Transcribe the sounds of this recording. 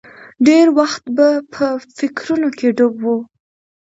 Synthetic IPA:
ɖeɾwaxt̪bapʰəfɪkɾunokeɖobwu

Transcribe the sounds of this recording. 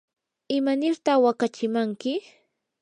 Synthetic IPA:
ɪmanɪɾt̪aχwakat͡ʃɪmaŋkɪ

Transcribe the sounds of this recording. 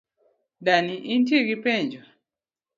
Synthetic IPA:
daniʔintjeɡipɛɲd͡ʒo

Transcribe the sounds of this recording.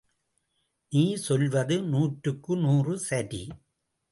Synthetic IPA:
niːsɔlʋɐðɯnuːʈɾɯkːɯnuːrɯsɐɾḭ

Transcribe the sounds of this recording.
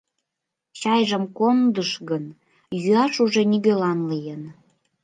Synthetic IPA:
t͡ɕɑjʒəmkond̪əʃɣən | jyɑʃuʒeniɣølɑnlijən

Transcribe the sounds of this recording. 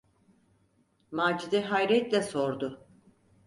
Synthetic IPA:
maːd͡ʒid̪ɛɦajɾɛt̪lʲɛso̞ɾd̪ʊ

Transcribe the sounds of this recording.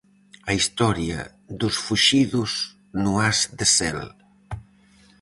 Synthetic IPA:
aist̪ɔɾiə̰ | d̪usfuʃiðuz | nuazd̪əsɛ̰l

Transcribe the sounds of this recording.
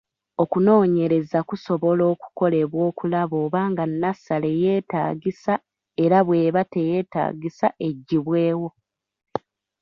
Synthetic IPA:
o̞kuno̞ːɲe̞ɾe̞zakuso̞βo̞lo̞ːku̥ko̞le̞βwo̞ːkulaβo̞ːβaːŋɡanːasale̞je̞ːtaːɡisa | e̞ɾaβwe̞ːβate̞je̞ːta̰ːɡisaʔe̞ɟːiβwe̞ːwo̞

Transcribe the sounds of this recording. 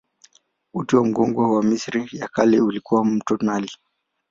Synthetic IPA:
utiwam̩ɡɔŋɡwawamisɾijakalɛulikuwam̩tɔnali

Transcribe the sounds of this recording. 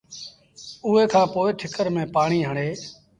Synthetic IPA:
ʊːɦeːkʰãːpoːɪʈʰɪkəɾmẽːpaːɳ̃iːɦəɳeː

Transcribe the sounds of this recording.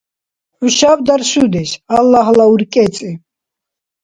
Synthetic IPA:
ʕuʃavd̪aɾʃud̪ɛʃalːaɦlauɾkʼɛt͡sʼi

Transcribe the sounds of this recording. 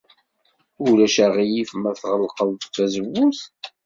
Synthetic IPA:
ʊlæʃæʁijifmæθʁəlqəðθæzəwːuθ

